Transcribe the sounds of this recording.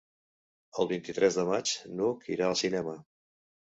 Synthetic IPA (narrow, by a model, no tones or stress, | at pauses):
əlˠβint̪it̪ɾɛzðəmat͡ʃnukiɾaəlˠsinɛmə